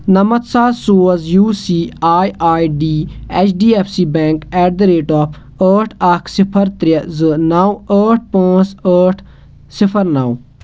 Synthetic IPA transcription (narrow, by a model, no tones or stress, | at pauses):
nɐmɐt̪saːsoːzjuːsiːaːjaːiɖiːɛːt͡ʃʰɖiːɛːpʰsiːbɛ̃ːŋkɛːɖd̪ɾeːʈɔːpʰ | əːʈʰɐkʰsɪpʰəɾt̪ɾəzɨnaːwəːʈ̚ʰpãːt͡səːʈʰ | sɪpʰəɾnaːw